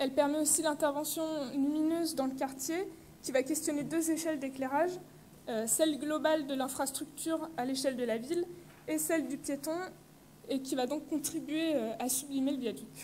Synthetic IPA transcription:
ɛlpɛʁmɛosilɛ̃t̪ɛʁvɑ̃sjɔ̃nyminøzd̪ɑ̃ləkaʁt̪je | kʲivakʲɛst̪jɔned̪øzeʃɛld̪ekleʁaʒ | øsɛlɡlɔbald̪əlɛ̃fχast̪χyk̚t̪yʁaleʃɛld̪əlavil | esɛld̪ypjet̪ɔ̃ | ekʲivad̪ɔ̃kːɔ̃t̪χibɥeøasyblimeləbjad̪yk

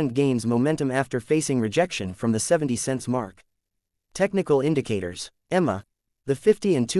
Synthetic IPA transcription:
nɡẽɪ̃nzmoʊmɛ̃ntɨ̃mæftə˞feɪsɪ̃ŋɹɨd͡ʒɛkʃɨ̃nfɹʌ̃mðɨsɛṽn̩tisɛ̃ntsmɑɹk | tʰɛk̚nɨkl̩ˠɪ̃ndɨkʰeɪɾə̰˞z̥ | ɛmə̰ | ðɨfɪftiɨ̃ntʰʉ

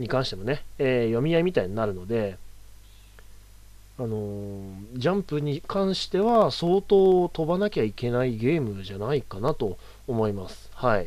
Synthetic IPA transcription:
ɲ̟ikãɰ̃ɕit̪emo̞ne̞eːjo̞mʲijaimʲit̪aiɲ̟inaɾɯ̟no̞d̪e̞ | ano̞ | d͡ʑãmpɯ̟ɲ̟ikʰãɰ̃ɕi̥t̪e̞βaso̞ːt̪o̞ːt̪o̞banakʲaike̞naiɡe̞ːmɯ̟ʑanaikanat̪o̞ː | mo̞imasɨ̥hai

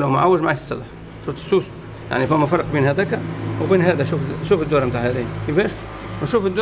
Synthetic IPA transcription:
lamaʕawːɪʒmaʕaʃsːɑlɑħ | ʃuːft̪ɪ̥sːuːs | ja̰ʕnifʊmːæfɑɾˤq̚biːnɦæd̪æːkæwbiːnɦæːd̪æʃuːfʃuːfɪd̪ːuːɾmt̪aːʕhæd̪iːhkɪfæːʃ | wnʃuːfɪd̪ː

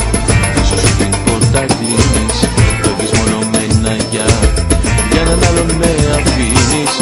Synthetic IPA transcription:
isositinpoɾt̪ɐt̪ienispovizmonomenɐʝɐ | ʝɐnɐnɐlomeɐfinis

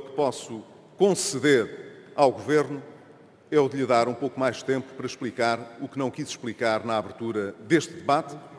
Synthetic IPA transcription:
kɨ̥pɔsu | kõsɨðeɾawɣuveɾnu | ɛuðʎɨðaɾũpowkumajʃt̪ẽmpu̥pɐɾɐʃplˠikaɾuknɐ̃w̃kizʃplˠikaɾnaaβɨɾt̪uɾɐðeʃt̪ðɨβat̪

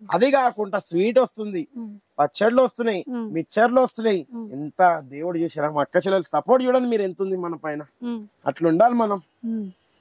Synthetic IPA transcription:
ɐ̰d̪ikaːkuɳɖaːsʋiːʈost̪und̪ipɐt͡ʃːɐɾluɐst̪unajimit͡ʃːɐɾluɐst̪unajiint̪ɐd̪e̞ːwuɽut͡ʃuːsɛɾamɐkːɐt͡ʃɛlːɐlsɐpoːɾʈt͡ʃuːɽɐnimiːɾe̞nt̪und̪imɐnɐpɐjnɐ | ɐ̰ʈluɳɖaːlimɐnɐm

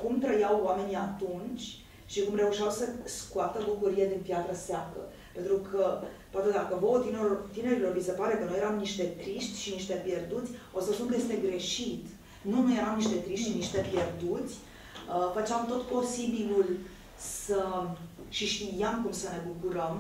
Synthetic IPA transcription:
kumt̪ɾəjawwame̞niat̪unt͡ʃʲ | ʃikumre̞uʃiawsəskuat̪əbukuɾijed̪inpjat̪ɾəseakə̰ | pe̞nt̪ɾukʰəpoat̪e̞d̪akəvoot̪ineot̪ine̞ɾilo̞rbisepaɾe̞kənuje̞ɾamniʃt̪e̞t̪ɾiʃt̪ʲʃiniʃt̪e̞pje̞rd̪ut̪sʲo̞səspunkəejest̪e̞ɡɾe̞ʃit̪ | nunojeɾamniʃt̪e̞t̪ɾiʃt̪ʃiniʃt̪e̞pʲje̞rd̪ut̪sʲ | əfət͡ʃeamt̪o̞t̪po̞sibilul | sə | ʃiʃt̪ijamkumsəne̞bukuɾəm

